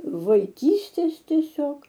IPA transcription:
ʋɐɪˈkʲiːsʲtʲeːs tʲiɛˈsʲoːk

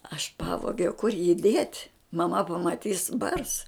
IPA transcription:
ɐʃ ˈpɑːʋoːɡʲɛʊ kʊr jiː dʲeːtʲ mɐˈmɐ pɐmɐˈtʲiːs bɐrs

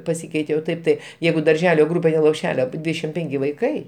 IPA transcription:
pɐˈsʲiːkʲɛɪtʲeː oː ˈtɐɪp tɐɪ ˈjɛɪɡʊ dɐrʲˈʒʲæːlʲoː ˈɡrʊpʲeː tʲɛn lˠoːpʲˈʃʲæːlʲoː ɐpʲɪ ˈdʲʋʲiːdʲɛʃʲɪm ˈpʲɛŋʲkʲɪ ʋɐɪˈkɐɪ

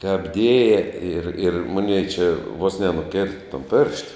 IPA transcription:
kɐp ˈdʲeːjɛ ɪr ɪr ˈmoːnʲɛɪ t͡ʃʲɛ ʋoːs nʲɛnʊˈkʲeːrtɐ toːn pʲeːrʃt

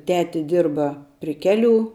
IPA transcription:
ˈtʲæːtʲɪ ˈdʲɪrbɐ pʲrʲɪ ˈkʲæːˌlʲuː

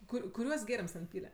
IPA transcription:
ˈkʊr kʊˈrʲuɔs ˈɡʲeːrʲɪms tʲɛn ˈpʲiːlʲɛ

